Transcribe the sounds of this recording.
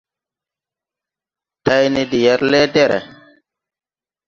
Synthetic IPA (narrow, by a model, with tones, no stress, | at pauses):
ta˦jni˦di˨jɛ˦ɾle˦de˦˨ɾḛ˨